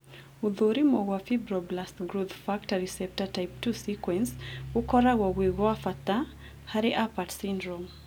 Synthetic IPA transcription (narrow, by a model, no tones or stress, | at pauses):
uðuɾimɔɣwafibɾɔblastɡɾuθfak̚taɾisɛp̚tatajp̚tusikwɛnsukɔɾawawiɣɔafat̪a | haɾiʔapatsindɾɔm